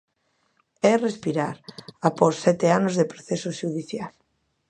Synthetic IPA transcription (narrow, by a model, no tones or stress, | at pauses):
ɛrespiɾaɾaposɛt̪eanozðepɾoθɛsoʃuðiθjal